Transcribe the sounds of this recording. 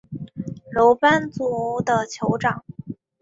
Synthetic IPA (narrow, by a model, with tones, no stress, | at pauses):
lo˧˥ʊpa˥nt͡su˨˥˩d̪ə˧t͡ɕʰjo˧˥ʊʈ͡ʂɑ˨˩˦ŋ